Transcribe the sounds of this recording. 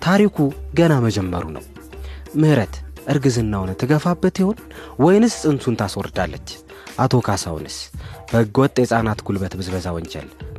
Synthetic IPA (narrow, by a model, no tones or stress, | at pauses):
t̪ʰaɾikʰuɡənaməd͡ʒɛmːəɾṵnə̰w | mɨhɾət̪ʔɨɾɡɨzɨnːawnt̪ʰːɨɡəfabːət̪jiho̞n | wɔjnɨssʼɨnsunt̪ʰaswɔɾd̪alːət͡ʃː | ʔat̪ʰo̞kʰasa̰w̰nɨsb̥əɨɡɔt̪ʼesʼanat̪ɡulbət̪bɨzbəzawɔnt͡ʃɛ̰l